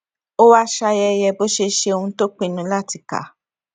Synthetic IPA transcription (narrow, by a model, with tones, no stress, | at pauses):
o˦wa˦ʃa˧jɛ˧jɛ˧bo˦ʃe˧ʃe˧o˧ũ˧to˦k͡pĩ˦˨nũ˧˦la˦˨ti˧˨ka̰˨˦